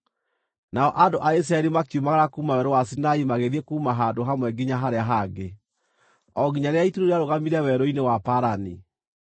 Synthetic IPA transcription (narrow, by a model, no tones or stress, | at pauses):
naɔʔandoʔais̬ɾaɛɾimakiumaɣaɾakuːmawɛɾowasinaimaɣeðiɛkuːmaɦadoɦamwɛɡiɲaɦaɾeaɦaɡe | ɔɡiɲaɾeaituɾoɾeaɾoɣamiɾɛwɛɾoinewapaɾani